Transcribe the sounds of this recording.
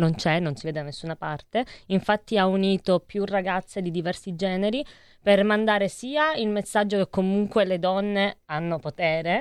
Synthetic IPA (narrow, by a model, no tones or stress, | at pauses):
nont͡ʃɛnːonsiveːd̪ed̪anesːunapart̪eiɱfat̪ːiauniːt̪opjurːaɡat̪sːed̪id̪ivɛrsid͡ʒɛːneɾi | permand̪aːɾesiːailmesːad͡ʒːokekːomuŋkweled̪ɔnːeanːopot̪ɛːɾe